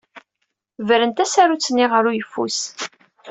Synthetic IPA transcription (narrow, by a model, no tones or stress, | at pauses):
vəɾənt̪æsæɾut͡sːənːiʁəɾujəfːṵs